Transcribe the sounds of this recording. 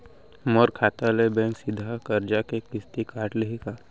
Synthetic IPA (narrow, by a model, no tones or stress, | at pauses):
mɔɾkʰaːt̪alebɛ̃ːŋksɪd̪ʱakɐɾd͡ʒakekɪst̪ikaːʈleɦikaː